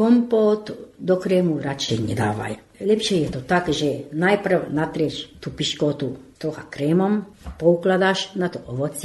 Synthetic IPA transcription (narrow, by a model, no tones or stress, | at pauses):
kompoːt̪d̪okɾɛːmuɾat͡ʃɛjɲɛ̰d̪a̰ːʋa̰j | lɛpʃiɛjɛt̪ot̪akʒɛnajpr̩wnat̪ɾɛʃt̪upiʃkot̪ut̪ɾoxakɾɛːmompouklad̪aːʃnat̪oʔoʋɔt͡s